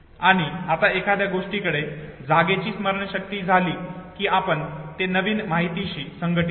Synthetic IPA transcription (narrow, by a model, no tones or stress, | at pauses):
aɽ̃iat̪aekʰad̪jaɡoʂʈiːkəɽed͡zaɡet͡ɕiːsməɾəɳɕək̚t̪iːd͡zʱaliːkiːapəɳt̪enəʋiːnmaɦit̪iɕiːsəŋɡəʈi